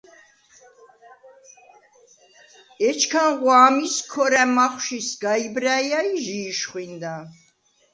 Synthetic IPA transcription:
ɛt͡ʃʰkʰanʁwaːmiskʰɔɾɛmaχwʃisɡaibɾajaiʒiːʃχwind̪a

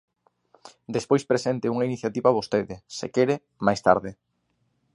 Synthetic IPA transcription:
d̪espojspɾesent̪ɪuŋainiθjat̪iβaβost̪eðɪsḛkeɾe | majst̪a̰ɾðɪ

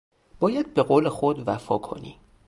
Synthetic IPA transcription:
b̥ɒːjæd̪̚be̞ɣoːlexod̪væfɒːkʰo̞̰nḭː

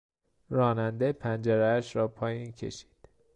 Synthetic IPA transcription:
ɾɒːnænd̪epʰænd͡ʒeɾææʃɾɒːpʰɒːjiːncʰe̞̰ʃi̥ːd̪̥

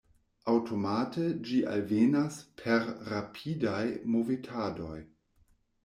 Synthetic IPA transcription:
awtʰo̞matʰed͡ʒiʔa̰lvenaspʰeɾɾapʰidajmovitʰado̞̰j

